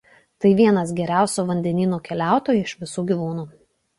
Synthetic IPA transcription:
t̪ɐɪʋʲiɛnɐsɡʲɛɾʲæˑʊsʲoːʋɐnʲd̪ʲɛnʲiːnoːkʲɛlʲæˑʊt̪oːjuɪʃʋʲɪsuːɡʲiʋuːnuː

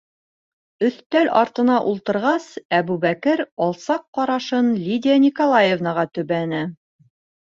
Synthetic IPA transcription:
ɵ̆θt̪ælɑɾt̪ɤ̆nɑʔulˠt̪ɤ̆ɾʁɑsæβʉβækɘɾɑlˠsɑqːɑɾɑʃɤnlʲidʲɪanʲikolˠajevnɑʁɑt̪ɵ̆βænɘ

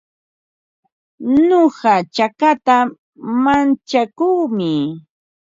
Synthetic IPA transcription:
noɢɑt͡ʃakat̪a | mant͡ʃakuːmɪ

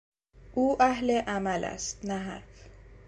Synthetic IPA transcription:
ʔuːʔæɦleʔamælʔæ̰st̪næɦa̰ɾf

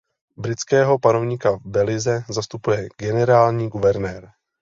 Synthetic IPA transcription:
bɾɪt͡skɛːɦo̞pano̞vɲikavbɛlɪzɛzast̪upujɛɡɛnɛɾaːlɲiːɡuvɛɾnɛːɾ

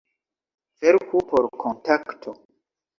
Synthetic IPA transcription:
veɾkupoɾkʰontaktʰo

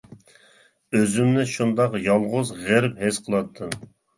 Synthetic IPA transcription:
øzymnɪʃund̪ɑqjɑlˠʁʊzʁeɾphesqʰəlˠɑt̪ʰːɨn

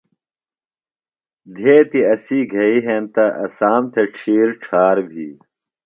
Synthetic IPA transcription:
d̪ʱeːt̪iɐsiːɡʱɐiɦeːnt̪ɐʔɐsaːmt̪ʰeʈ͡ʂʰiːɾʈ͡ʂʰaːɾbʱiː

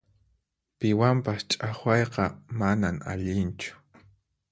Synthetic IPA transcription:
pɪwampast͡ʃʼaχwɑjqɑmanama̰ʎɪnt͡ʃʊ̥

